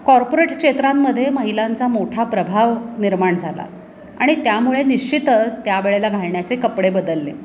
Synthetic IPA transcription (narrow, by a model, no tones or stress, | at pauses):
kɔɾpoɾeʈkʂet̪ɾamːəd̪ʱːjeməɦilant͡samoʈʰapɾəbʱaʋniɾmaɳd͡zʱala̰ | a̰ɽ̃it̪jamuɭeniɕt͡ɕit̪ət͡st̪jaʋeɭelaɡʱaɭɳjat͡sekəpɽebəd̪əlːḛ